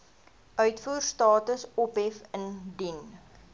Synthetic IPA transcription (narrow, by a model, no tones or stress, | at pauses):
œɥtfuːrstɑːtəsɔpɦɛfəndin